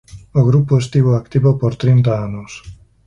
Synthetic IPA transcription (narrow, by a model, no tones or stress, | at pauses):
oɣɾupoest̪iβoakt̪iβopoɾt̪ɾint̪aanos